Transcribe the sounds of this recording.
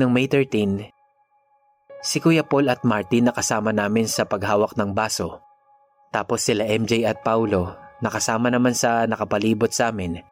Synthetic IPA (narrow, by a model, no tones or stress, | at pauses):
ɐŋmɛjt̪ɛɹt̪in | sɪkʊjɐpolɐt̪̚maɹt̪inːɐkɐsaːmɐnaːmɪnsɐpɐɡɦaːwɐk̚nɐŋbaːso̞ | t̪aːpo̞sːɪlaʔɛmd͡ʒɛjɐt̪̚pawlo̞nɐkɐsaːmɐnɐmansɐnɐkɐpɐliːbot̪̚sɐʔaːmɪn